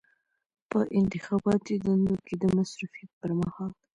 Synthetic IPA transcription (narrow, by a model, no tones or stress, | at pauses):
pəʔɪnt̪ɪxɑbɑt̪id̪und̪oked̪əmasɾufijat̪̚pəɾmahɑl